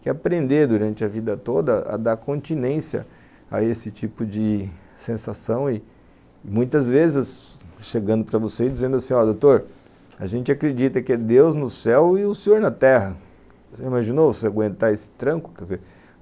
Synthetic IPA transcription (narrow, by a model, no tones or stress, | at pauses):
kɪapɾẽnd̪eɾd̪uɾɐ̃nt͡ʃɪɐvid̪ɐt̪od̪ɐɐ̰d̪aɾkõnt͡ʃinẽsjɐ̰ | a̰esɪt͡ʃipʊd͡ʒɪ | sẽsasɐ̃w̃ɪ | mũj̃t̪ɐzvezɪsʃeɡɐ̃nd̪ʊpɾɐvoseɪd͡ʒizẽnd̪ʊasĩɔd̪owt̪oɾ | aʒẽnt͡ʃɪakɾed͡ʒit̪ɐkɪɛd̪ewznʊsɛwɪʊsẽɲoɾnɐt̪ɛɦɐ | seimaʒinovoseaɡwẽnt̪aesɪ̥t̪ɾɐ̃kʊ̥kɛzeɾ